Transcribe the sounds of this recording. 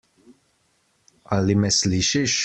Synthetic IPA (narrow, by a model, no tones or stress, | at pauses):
ɐlːimɛsliʃɪʃ